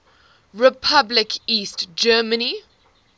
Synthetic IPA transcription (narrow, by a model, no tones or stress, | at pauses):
ɹɪpʰablɪkʰiːstd͡ʒɜːməni